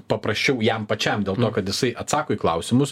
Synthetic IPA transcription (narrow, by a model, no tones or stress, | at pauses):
pɐpɾɐsʲt͡ʃʲɛʊjɛmpɐt͡ʃʲɛmd̪ʲeːlˠt̪oːkɐt̪jɪsɐɪʔɐt̪sɑːkoːiklˠɐʊsʲɪmʊs